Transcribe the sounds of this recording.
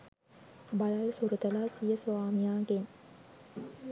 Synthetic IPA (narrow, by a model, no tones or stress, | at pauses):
balalsuɾut̪əlasijəsʋaːmijaːɡen